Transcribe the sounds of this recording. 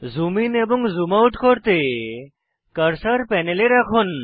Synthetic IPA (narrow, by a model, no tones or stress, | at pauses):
zumineboŋɡzumauʈʰkɔɾt̪e | kəɾsəɾpɛneleɾakʰun